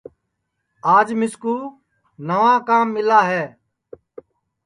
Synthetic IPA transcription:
aːd͡ʒmɪskuː | nəʋãːkaːmːɪlaːɦɛː

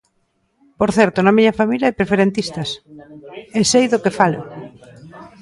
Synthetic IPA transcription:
poɾθɛɾt̪ʊnɐmiɲɐfamiljaajpɾefeɾẽnt̪ist̪ɐs | esejðokefalʊ̰

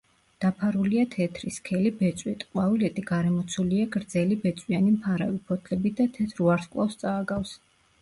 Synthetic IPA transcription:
d̪̥apʰaɾuliat̪ʰɛt̪ʰɾiskʰɛlibɛt̪sʼwit̪ʼqʼwavilɛt̪ʼiɡaɾɛmɔt̪sʰuliaɡɾd̪zɛlibɛt̪sʼwianimpʰaɾa̰vipʰɔt̪ʰlɛbid̪at̪ʰɛt̪ʰɾuaɾskʼlˠa̰fst̪sʼaːɡafs

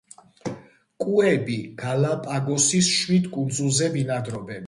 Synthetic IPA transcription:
kʼuɛbiɡ̥alapʼaɡɔsisʃwid̪kʼund̪zulˠzɛbinad̪ɾɔbɛn

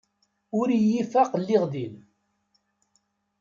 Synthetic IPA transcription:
ʊɾijifæqlːiʁðil

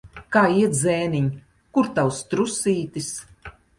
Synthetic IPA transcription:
kaːiɛt̪zɛːniɲ | kuɾt̪awst̪ɾusiːt̪is

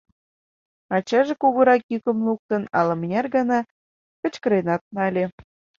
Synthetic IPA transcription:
ɑt͡ɕɑʒekuɣoɾɑkjykə̆mluk̚t̪ə̆nɑ̰lɤ̆mnʲærɣɑnɑ | kə̆t͡ɕkə̆ɾenɑt̪̚nɑlʲe

